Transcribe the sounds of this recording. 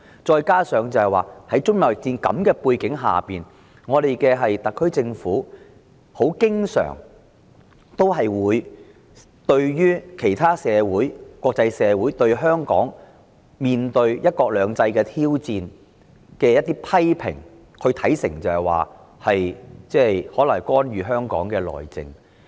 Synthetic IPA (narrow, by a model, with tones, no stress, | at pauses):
t͡ʃɔː˧jkaː˥sœː˨˧ŋt͡sɐ˨whɐ˨jwaː˨˩hɐ˨˥jt͡ʃʊ˥ŋmɐ˨wjɪ˨k̚t͡siː˧nkɐ̰˨˧˥mkɛː˧puː˧jkɪ˨˥ŋɦa̰ː˨piː˨˩n | ŋɔː˨˧ɾe˨jkɛː˧ɦɐ˨jt̪ɐ˨kʰːɵ˥ɥt͡sɪ˧ŋfuː˨˥ | ho˨˥wkɪ˥ŋsœ̰ː˨˩ŋ | t̪o˥wɦɐ˨jwuː˨˧j | t̪ɵ˧ɥjyː˥kʰe˨˩jt̪ʰaː˥sɛː˨˧wuː˨˥jkʷɔː˧k̚t͡sɐ˧jsɛː˨˧wuː˨˥jt̪ɵ˧ɥɦœː˥ŋkɔ̰ː˨˥ŋ | miː˨nt̪ɵ˧ɥjɐ˥t̚kɔː˧k̚lœː˨˧ŋt͡sɐ˧jkɛː˧t̪ʰiː˥wt͡siː˧n | kɛː˧jɐt̪ːiː˥pʰɐ˥jpʰɪ̰˨˩ŋ | kʰɵ˧t̪ʰɐ˨˥jsɪ̰˨˩ŋt͡sɐ˨˧hɐ˨˩jwa̰ː˨ | hɐ˨jt͡sɛː˥jhɔː˨˥lɐ˨˩ŋkɔː˥nɥyː˨˧ɦœː˥ŋkɔ̰ː˨˥ŋkɛː˧lɔ̰ː˨˩jt͡sɪ̰˨˧ŋ